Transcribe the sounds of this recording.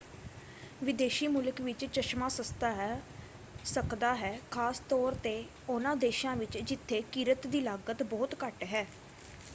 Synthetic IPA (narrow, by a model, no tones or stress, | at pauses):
ʋɪd̪eːʃiːmuːləkʋɪt͡ʃt͡ʃəʃmãːsəst̪aː | səkd̪aːɦɛːkʰaːst̪ɔːɾt̪eː | ʊnãːd̪eːʃãːʋɪt͡ʃd͡ʒɪt̪ʰːeːkiːɾət̪d̪iːlaːɡət̪bɔːt̪kəʈɦɛː